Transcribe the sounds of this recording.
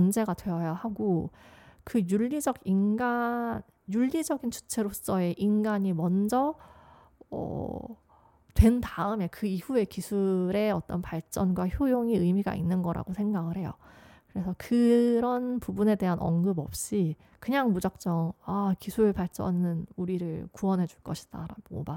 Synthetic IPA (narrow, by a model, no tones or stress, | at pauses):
nd͡ʑe̞ɡatwe̞ʌjahaɡo | kɯjuʎːid͡ʑʌɡinɡan | juʎːid͡ʑʌɡint͡ɕu̥t͡ɕʰe̞ɾos͈ʌe̞ʔinɡaɲimʌnd͡ʑʌ | ʌ̰ | twe̞ntaɯme̞kɯihue̞kisʰuɾe̞ʌt͈ʌnpaɭt͡ɕ͈ʌnɡwaçjojoŋiɯjmiɡa̰inːɯnɡʌɾʔa̰ɡosʰe̞ŋɡaɡɯɭhe̞jo̰kɯɾe̞sʰʌkɯɾʌnpubune̞de̞ɦanʌ̰ŋɡɯbʌ̰p̚ɕ͈i | kɯɲaŋmud͡ʑak̚t͡ɕ͈ʌŋakisʰuɾɯɭpaɭt͡ɕ͈ʌnɯnuɾiɾɯɭkuwʌnɦe̞d͡ʑuɭk͈ʌɕʰi̥d̥a̰ɾa̰o̰ba